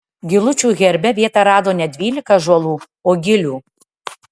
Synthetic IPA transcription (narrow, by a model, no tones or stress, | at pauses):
ɡʲɪlˠʊt͡ʃʲuːɣʲɛɾʲbʲɛʋʲiɛt̪ɐɾɑːd̪oːnʲɛd̪ʲʋʲiːlʲɪkɐʒɔlˠuː | oːɡʲɪlʲuː